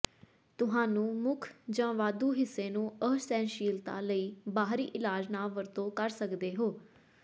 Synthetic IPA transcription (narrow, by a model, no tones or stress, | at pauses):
t̪ʊɦãːnũːmʊkʰd͡ʒãːʋaːd̪uːɦɪsːeːnũːəɦsɛ̃ːnʃiːlt̪a̰ːləiːbaːɦɾḭːʔɪlaːd͡ʒnaːʋəɾt̪õːkəɾsəkd̪eːɦoː